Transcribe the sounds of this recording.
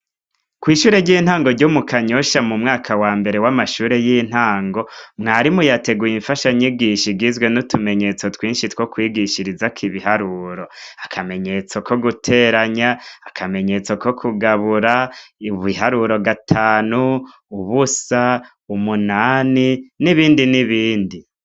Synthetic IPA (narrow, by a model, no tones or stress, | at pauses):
kwiːʃuːɾe̞ɾɟiːn̥haːŋɡoɾɟomukaɲoʃamumŋaːkʰawaːmbe̞ɾe̞wamaʃuːɾe̞jin̥haːŋɡo̞mŋaːɾimujate̞ɡujiɱfaʃaɲiɡiʃiɡizɡwe̞nutume̞ɲe̞t͡so̞twiːnʃitwo̞kwiːɡiʃiɾizakʰiβihaɾuːɾo̞akʰame̞ɲe̞t͡so̞ko̞ɡutʰe̞ɾaɲaːkʰame̞ɲe̞t͡so̞kʰo̞kʰuɡaβuɾaiβiɦaɾuɾo̞ɡatʰaːnu | uβusa | umunaːniniβiːndiniβiːndi